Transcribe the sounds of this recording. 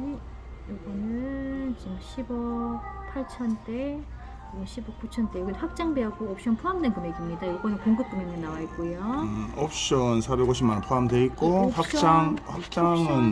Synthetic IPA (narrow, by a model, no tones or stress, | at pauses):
joɡʌnɯt͡ɕimɕʰibʌpʰaɭt͡ɕʰʌnt͈e | joɡʌnɕʰibʌk͈ut͡ɕʰʌnt͈ejoɡidɸak̚t͡ɕ͈aŋbeaɡoʌp̚ɕ͈ʰʌnpʰuɦamdenkɯmeɡimɲidajiɭɡʌnikuŋɡut̚k͈uminɯnːawaik͈ujoʌp̚ɕ͈ʌnsʰabeɡoɕʰimːanpʰuamdeik͈ohakt͡ɕ͈aŋhak̚t͡ɕ͈aŋɯn